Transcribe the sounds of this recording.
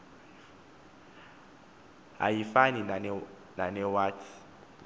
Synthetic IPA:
ɦa̰jifani | nanɛwaːtʰi̥

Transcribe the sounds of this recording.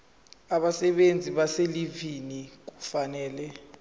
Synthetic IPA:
aɓasɛɓend͡zʱiɓaselivinik̬u̥fanɛːlɛ

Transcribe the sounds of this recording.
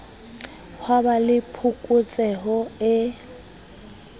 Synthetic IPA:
hwabalɪpʰʊkʼʊt͡sʼɛɦɔɪ

